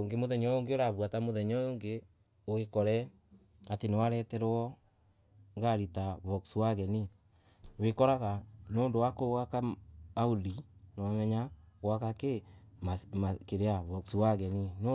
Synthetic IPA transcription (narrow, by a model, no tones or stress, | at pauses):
oŋɡemoðɛɲɔoŋɡeoɾaβwatamoðɛɲɔjoːŋɡe | oekɔɾɛ | atenewaɾɛtɛɾɔ | ŋɡaɾitaβɔkswaɣɛni | wekɔɾaɣanoːndowakoɣakaːudinowamɛɲaɣwakakemamakeɾeaβɔksiwaɣɛnino